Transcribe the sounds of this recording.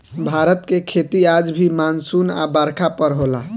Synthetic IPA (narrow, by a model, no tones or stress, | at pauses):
bʱaɾət̪kekʰet̪iad͡ʒbʱimansuna̰baɾkʰapəɾɦola